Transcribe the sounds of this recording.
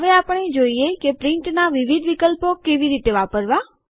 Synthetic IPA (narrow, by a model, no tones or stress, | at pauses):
ʋeapəɳed͡ʒoiekepɾɪɳʈnaʋiʋid̪ʱʋikəlpokeʋiɾit̪eʋapəɾʋa